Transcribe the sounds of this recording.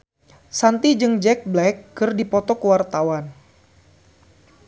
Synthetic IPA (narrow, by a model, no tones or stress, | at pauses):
sant̪id͡ʒɨŋd͡ʒɛk̚blɛkːɨrdipɔt̪ɔkəwart̪awan